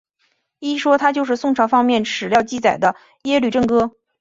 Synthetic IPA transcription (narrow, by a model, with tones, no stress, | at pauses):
i˥ʂwɔ˥t̪ʰa˥t͡ɕjo˥˧ʊʂ̬ɻ̩˥˧sʊ˥˩ŋʈ͡ʂʰɑ˧˥fɑ˥ŋmjɛ˥˩nʈ͡ʂʰɻ̩˨˩ljɑ˥˧ʊt͡ɕi˥˩t͡sa˨˩ɪd̪ə˦ | jɛ˥ly˥˩ʈ͡ʂə˥˩ŋkɤ˥